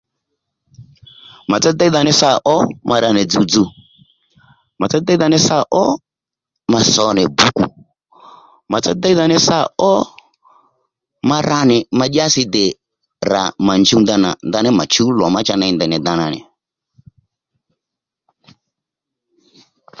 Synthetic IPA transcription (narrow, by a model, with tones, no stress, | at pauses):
ma˨t͡sa˦d̪a˦i˦ða˧nɛ˦sa˦˨ʔɔ˦mʔa˨˧ɾa˧˨nɛ˨d͡zu˨d͡zu˨ | ma˨t͡sa˦d̪a˦ða˧nɛ˦sa˦˨ʔɔ˦ | ma˨sɔ˨nɛ˨bu˦ku˨ | ma˨t͡sa̰˦da˦i˦ða˧˨nɛ˦sa˦˨ɔ˦ | ma˧ɾa˦nɪ˨ma˧ɗa˦sɪ˧dɪ˨ | ɾa̰˨ma˨nd͡ʒu˦nda˧na̰˨nd̪a˦nɛ˦ma˨t͡ʃu˦lɔ˨ma˦t͡ʃa˦na˧i˦ndɛ˨nɛ˨d̪a˨na˨nɪ̰˨